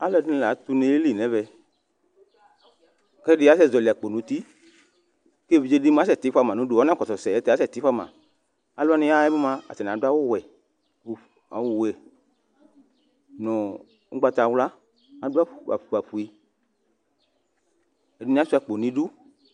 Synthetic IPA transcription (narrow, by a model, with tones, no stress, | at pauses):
a˦lɔ˧˨di˦nĩ˨la˨˦t̪u˦ne˧˦e˦li˦˨nɛ̃˨˦vɛ˧ | kɛ˦dɪ˦a˨˦sɛ˦˨zɔ˨li˨a˨k͡po˨nũ˨˦t̪i˦ | ke˦˨vi˨˦d͡ʒe˦di˦ma˨˦s̬ɛ˨t̪i˨˦fa˧˨mã˨nũ˨˦du˦˨ɔ˦ã˦kɔ˨tɔ˨sɛ˨ɛ˨˦t̪ɛ˨a˦sɛ˦˨t̪i˦fa˦˨mã̰˨ | a˨lɔ˦a˦nĩ˧ja˦ɛ˦bu˦mã˧a̰˨tɛ˨n˨du˦a˦wʊ˦wɛ˨ | a̰˨wu˦˨wɛ˨ | nɔ̃˨ | ṵ˦ɡ͡ba˧t̪a˨˦wla˦ | a˨du˦a˦˨a̰˨fu˨a˨ɸu˨i˧ | ɛ˨di˦nĩ˦a˦su˦a˦˨k͡po˨nĩ˨du˦